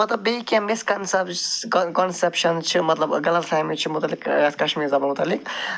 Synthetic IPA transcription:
mɐt̪lɐbːeikiɐ̃miskɐnsɐkɔnsepʃɐnt͡ʃʰimɐt̪lɐbɡɐlɐt̪sʰajmit͡ʃʰimut̪ɐlːikskɐʃmizɐbɐlmut̪ɐlik

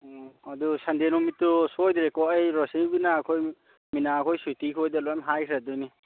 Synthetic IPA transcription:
ɔadusandenumitːusojdɾekɔajɾɔsiŋbinakʰɔj | minakʰɔjsutikʰojdalɔamɦajkʰɾadujni

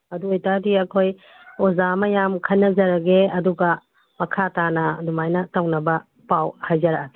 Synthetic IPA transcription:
ɐduojtadiɐkʰoj | ozamɐjamkʰɐjnːɐzɐɾɐɡeɐduɡɐ | mɐkʰatanɐdumajnɐtɐwnɐbɐ | pawhajzɐɾɐake

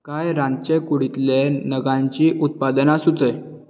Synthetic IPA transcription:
kajɾãnt͡ɕekuɽit̪lenəɡãɲt͡ɕiːʔut̪̚pad̪ənasut͡səj

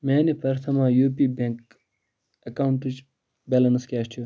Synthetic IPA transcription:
meːnipɐɾt̪ʰɐmaːjuːpiːbeŋk | ɐkawuɳʈit͡ʃ | bʲɛlɐnskʲaːʃtʰju

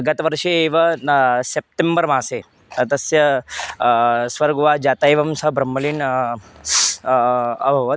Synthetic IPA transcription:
ɡət̪ʋəɾʂeːʋəsep̚ʈembəɾmãse | t̪əsjə | sʋəɾɡuʋad͡ʑat̪aeʋɐmsəbɾəmːəliːn | ə̰bʱɐʋə

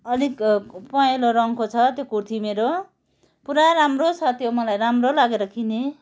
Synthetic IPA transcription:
ʌlikpʌeloɾʌŋkot͡sʰʌt̪jokurt̪ʰimeɾo | puɾaɾamrosʰʌt̪ʰjomʌlajɾamrolaɡeɾʌkʰine

